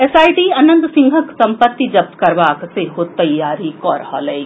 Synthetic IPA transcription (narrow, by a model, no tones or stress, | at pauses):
ɛsaːiʈiɐnə̃nt̪sɪ̃ŋɡʱəksɐ̃mpət̪ːid͡ʒɐb̚t̪kɐɾʋaːkseɦot̪ɐjːaːɾikɔːɾha̰ːlɐeɡi